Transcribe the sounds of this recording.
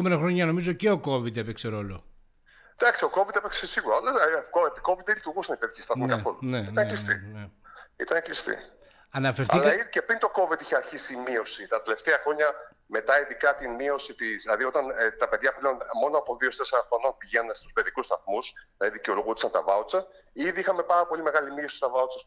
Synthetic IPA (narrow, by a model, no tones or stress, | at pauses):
ome̞nɐxɾo̞ɲɐno̞mizo̞ceo̞ko̞vit̪epekseɾo̞lo̞ | d̪̥ɐksio̞ko̞vit̪epeksesiɣuɾɐolɐkoepiko̞vit̪elit̪uɾɣusɐnipeðiçist̪ɐθmikɐθo̞luneiɐnlist̪ineḭt̪ɐneklist̪ḭ | ɐnɐfe̞ɾɐilkɐicepɾint̪o̞ko̞vit̪içeɐɾçisimio̞sit̪ɐt̪e̞le̞ft̪eɐxɾo̞ɲɐ | me̞t̪ɐiðikɐt̪inmio̞sit̪izlɐðio̞t̪ɐnt̪ɐpe̞ðʝɐpleo̞nmo̞noɐpo̞ðio̞st̪eseɾɐxɾo̞no̞npiʝenɐnest̪u̥spe̞ðikust̪ɐθmuslɐðiðiceoloɣut̪i̥sɐnt̪ɐvɐot͡sɐ | iðiixɐme̞pɐɾɐpo̞lime̞ɣɐlimio̞si̥st̪ɐvɐot͡sɐs